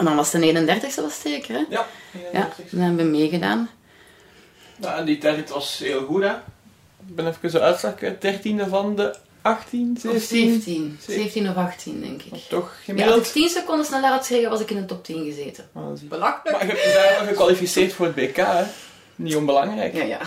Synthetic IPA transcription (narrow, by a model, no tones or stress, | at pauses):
ɛndɑnʋɑsdəneːɣənəndɛrtəxstəʋɑsterkərɛjja̰ndnɛbəʋəmeːɣəda̰ːn | jaɛnditɛrtʋɑsɦeːlˠɣutɛ | ɪɡ̚bɛnɛfəkəsoœtslakət̚d̥ɛrtindəvɑndə | ɑxtinseːtinzeːfətinɔfɑxtʰindɛ̰ŋkɪktɔxmasɪktinsəkɔndəsnɛlaːrɑtsɛɣəʋɑzɪkɪnətɔp̚tinɣəzeːtəbmaɣɛɛɣəkʋalifisɪːrtfoːrət̚beːkaːɛ | nionbəlɑŋrɛjk